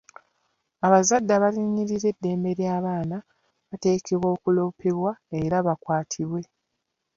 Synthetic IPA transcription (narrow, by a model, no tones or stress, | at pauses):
aβazadːaβaliɲːiɾiɾe̞dːe̞ːmbe̞ɾjaːβaːna | βate̞ːkʰe̞βwo̞ːkulo̞ːpʰe̞βwae̞ɾaβakwaːtʰiβwe̞